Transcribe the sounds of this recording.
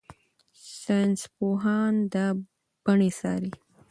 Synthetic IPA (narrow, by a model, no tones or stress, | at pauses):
sanspoɦɑnd̪ə | b̥aɳesɑ̰ːɾi